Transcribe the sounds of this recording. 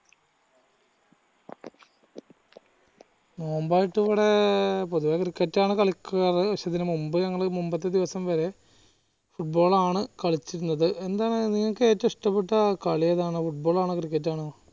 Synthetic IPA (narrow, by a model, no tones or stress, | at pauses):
noːmbaːjiʈːiʋiɽepoðuʋɐːɐkrikːɐtːaːɳɨkɐɭikːuɣɐrɨɐɕɐðinɨmumbɨɲɐŋːɐɭmumbɐt̪ːɨd̪iʋɐsɐmʋɐɾe̞ | fuʈ̚bo̞ːɭaːɳɨkɐɭit͡ɕːiɾunːɐðɨʔe̞nd̪aːɳniŋːɐkːɨeːtːɐmiʂʈɐpːeʈːɐkɐɭijɐðaːɳɨfuʈ̚bo̞ːɭaːɳɨkrikːɐt̬ːaːɳɨ